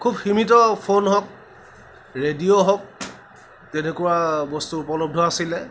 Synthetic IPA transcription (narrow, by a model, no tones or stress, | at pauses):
kʰubximit̬ɔpʰonɦɔk̚ | ɹedijoɦɔk̚ | tɛnekʊwabɔstuːpɔlɔb̚dʱɔasilɛ